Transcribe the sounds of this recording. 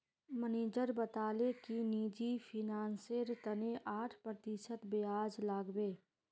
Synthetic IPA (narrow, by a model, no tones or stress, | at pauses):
məneːd͡ʒəɾbət̪aːlekiniːd͡ʒipʰɪnaːnseɾt̪əneʔaːʈʰpɾət̪isət̪beaːd͡ʒlaːɡbeː